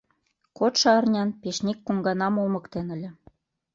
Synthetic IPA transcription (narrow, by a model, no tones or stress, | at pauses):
kot̪ʃɑɑrnʲɑnpeʃnʲikːuŋɡɑnɑmomɤ̆kt̪enə̆lʲĕ